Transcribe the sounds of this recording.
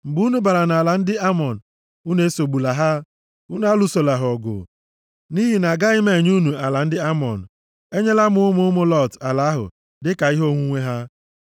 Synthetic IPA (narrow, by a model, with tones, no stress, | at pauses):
m̩˨bu˨˦nu˦ba˨ɾa˨na˨la˨n̩˦dɪ˦a˦mɔ˨n̩˨ | u˦ne˦so˨ɡ͡bu˨la˨ɦa˦ | u˦n˦a˦lu˨so˨la˨ɦɔ˨ɡʊ̰˨ | ni˦ɦi˨na˨ɡa˦ɪ˦me˨ɲ˦u˦nu˨a˨la˨n̩˦dɪ˦a˦mɔ̰˨n̩˨ | e˦ɲe˦la˦mʊ˨˦ʊ˦mʊ˦ʊ˦mʊ˦lɔ˦˨ta˨la˨˦ɦʊ̰˨ | dɪ˦ka˨i˦ɦo˦ŋʷu˦ŋʷe˦ɦa˦